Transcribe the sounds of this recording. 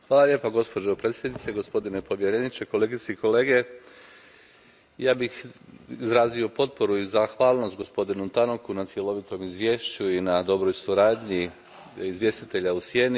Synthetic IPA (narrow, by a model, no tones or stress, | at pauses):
xʋaːlalʲjepaɡo̞spo̞d͡ʒopɾet̪sʲjed̪nit̪seɡo̞spo̞d̪inepo̞ʋje̞ɾenit͡ʃeko̞leɡit̪seiko̞le̞ːɡe̞ | jaːbixizɾaːzio̞po̞t̪̚po̞ɾuizaxʋaːlˠno̞st̪̚ɡo̞spo̞d̪inumt̪ano̞kunat̪sje̞lˠo̞ʋit̪o̞mizʋje̞ːʃt͡ɕuinad̪o̞bɾo̞jsuɾaːd̪ɲi | izʋje̞st̪it̪e̞ʎausje̞ːni